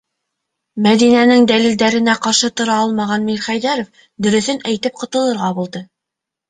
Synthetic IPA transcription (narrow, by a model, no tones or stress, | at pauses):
mæðinænɘŋd̪ælild̪æɾɘ̆næqɑɾʃɤt̪ŏɾɑɑlˠmɑʁɑnmiɾχæjðæɾof | d̪ɵ̆ɾɵ̆θɵnæjt̪ɘp̚qŏt̪ɤ̆lˠɤ̆ɾʁɑbulˠd̪ɤ